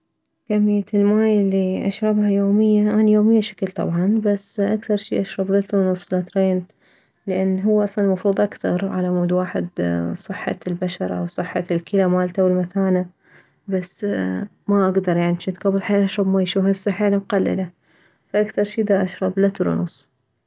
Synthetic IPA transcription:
kamɪjːat̪ɪlmaːjɪlːiʔa̰ʃɾˤɑbhajoːmɪjːaʔanajoːmɪjːaʃḁklt̪ˤɑ̰bʕɑnbasːʔakθɑɾˤʃḭːʔaʃɾˤɑblɪt̪ɾunʊsˤlat̪ɾeːn | lɪʔanːɦʊwːaʔɑsˤlɑnlmɑfɾuːðˤʔakθɑ̰ɾˤʕalamuːd̪waːħɪ̰d̪sˤɨħːɑ̰lbaʃɑɾˤɑʔwsˤɨħːɑ̰lkʰɪlamaːlt̪awɪlmaθaːna | bas | maʔaɡd̪ɑɾˤjaʕnimt͡ʃnɪt̪ɡɑbːalħeːnʔaʃɾˤɑbmaːjʃuːfasːaħaːlamqalːɪ̰la | faʔakθɑɾˤʃiːd̪aʔaʃɾˤɑblat̪ɾˤʊ̰nʊsˤ

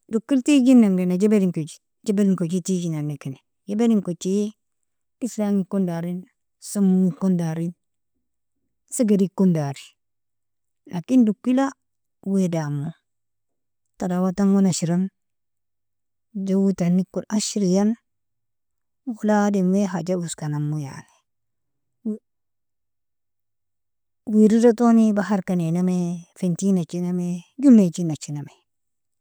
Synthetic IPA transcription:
dukːiltid͡ʒinːaŋdenad͡ʒebeɾiŋkod͡ʒi̥ | d͡ʒebeɾiŋkot͡ʃitid͡ʒinanːekine | jebeɾiŋkot͡ʃːij | islaŋikondaɾin | somuŋikondaɾin | siɡaɾikːundaɾi̥ | lakindukːila | wedamo | tadawataŋwonaʃiɾan | d͡ʒawutanːikːunaʃiɾijan | walademweɦad͡ʒabuskanamːuja̰ni | wiɾiɾatonibaɦaɾkanenamefentinat͡ʃinamed͡ʒulːet͡ʃinat͡ʃːiname

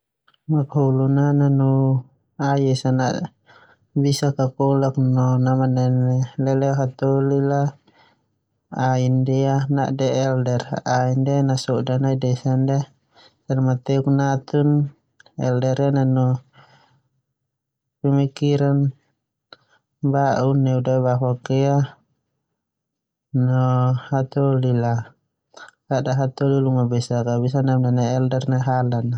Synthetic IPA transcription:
makaulunananu | ajɛsanaʔ | bisakakɔlak̚nɔnamananɛlɛlɛɦat̪ɔlila | aindɛana̰ʔdɛɛldɛraindɛnasɔdanaidɛsanda | salmat̪ɛuknat̪un | ɛ̰ldɛɾɛnanɔ | pɛmikiɾan | baʔunːɛudaβaɦakɛa | nɔhat̪ɔlila | kaʔdaɦat̪ɔliluŋabɛsakabis̬anamnanaːldɛrnaɦalana

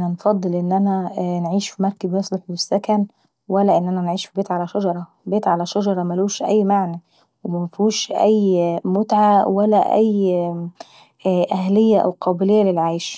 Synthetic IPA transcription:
ʔnænfɑd̪ˤːɨlʔenːʔænænʕiːʃfimɑɾˤkæbjɑsˤleħesːækæn | wælːæʔenːʔænænʕiːʃfibeːt̪ʕalæʃɑd͡ʒɑɾˤɑ | beːt̪ʕalæʃɑd͡ʒɑɾˤɑmæluːʃʔæjːmaʕnæ | wemæmæfuːʃʔæjmot̪ʕawælæʔæj | ʔæhlejːæʔæ̰wqʰɑːbɪlejːælelʕaːjʃ

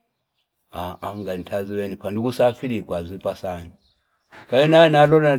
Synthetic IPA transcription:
aaŋɡanitʰaziwɛnipandikusafiɾikwazipasani | kajinajɛnalɔna

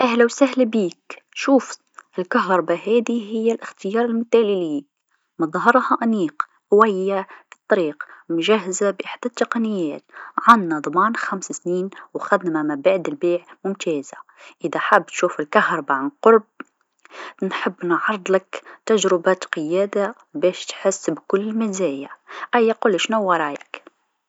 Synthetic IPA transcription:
ʔahlawsaɦlabiːkʃuːf | ʔɪlkaɦɾˤɑbaɦaːd̪iɦɪjːalʔɪxt̪ɪjɑːɾˤɪlmʊt̪aːliliː | mɑðˤɦɑɾˤhɑʔaniːq | hwajːabɨt̪ˤːɑɾiːqmʊʒaɦːzabʔɪħd̪at̪ːɑqɑnɪjːaːt̪ʕanːad̪ˤɑmɑːnxamsasniːnwaxad̪namamabaʕd̪ɪlbeːʕmʊmt̪eːzaʔɪðaħabːt̪ʃuːfɪlkahɾˤbaʕqʊɾˤb̚ | nħɪbːnʕɑɾˤd̪ˤlakt̪aʒɾɪbat̪qɨjæːd̪a | beːʃt̪ħɪsːbkʊlːɪmɪzeːjaʔajːaqʊlːʃnawɑɾˤɑːjɪk

